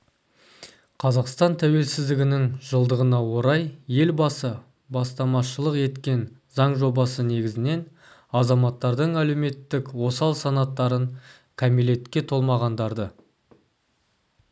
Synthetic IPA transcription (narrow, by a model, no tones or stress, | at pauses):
qʰɑzɑqst̪ɑnt̪ʰæwe̞lsɪzd̪ɪɡʲɪnɪŋʒəlˠd̪əʁənɑwo̞ɾɑjje̞lbɑsə | bɑst̪ɑmɑʃəlˠəqe̞t̪kʲe̞n | zɑɴʒo̞bɑsəne̞ɡʲɪzɪne̞n | ɑzɑmɑt̪ːɑɾd̪əɴæle̞wme̞t̪ːɪkwo̞sɑlˠsɑnɑt̪ːɑɾəɴ | kʰæmele̞t̪kʲːe̞t̪ʰo̞lˠmɑʁɑnd̪ɑɾd̪ə